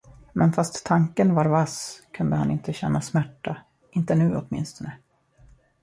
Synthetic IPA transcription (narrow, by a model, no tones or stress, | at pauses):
mɛnfast̪ʰːaŋkənvaɾvaskʰɵnd̪əhanɪ̰nt̪əɕɛnːasmæʈːa | ɪnt̪ənʉ̟ːɔt̪mɪ̰nst̪ɔnə